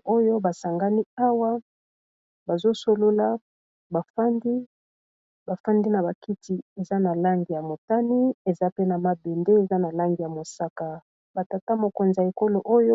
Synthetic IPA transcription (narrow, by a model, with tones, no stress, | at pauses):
o˦jo˦ba˨sa˨ŋɡa˦ni˦a˦wa˦ | ba˨zo˦so˦lo˦la˦ | ba˨fa˦ndi˦ | ba˨fa˦ndi˦na˨ba˨ki˦ti˨e˨za˦na˨la˦ŋɡi˨ja˨mo˨ta˦ni˦e˨za˦pe˦na˨ma˨be˨nde˦e˨za˦na˨la˦ŋɡi˨ja˨mo˨sa˦ka˨ | ba˨ta˨ta˦mo˨ko˨nzi˨a˨e˨ko˦lo˨ʔo˦jo˦